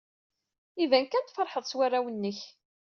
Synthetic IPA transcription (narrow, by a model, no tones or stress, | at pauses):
ivænkːænt̪fəɾˤħəðˤswærːawənːəç